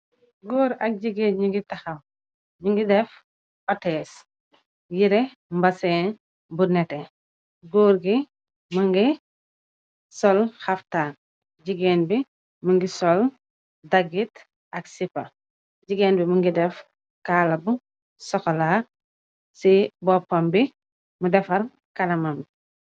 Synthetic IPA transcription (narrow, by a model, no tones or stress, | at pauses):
ɡɔːɾɐk̚ɟiɡɛːnɲuŋɡitɐxɐm | ɲuŋɡidɛf | ʔɔtɛːs | jiɾɛ | mbɐsɛːn | bunɛtɛ | ɡɔːɾɡi | mɐŋɡi | sɔlxɐftaːn | ɟiɡɛːnbi | muŋɡisɔl | dɐɡit | ʔɐksipɐ | ɟiɡɛːnbimuŋɡidɛf | kaːlɐbu | sɔxɔla | sibɔpːɐmbi | mudɛfɐr | kɐlɐmam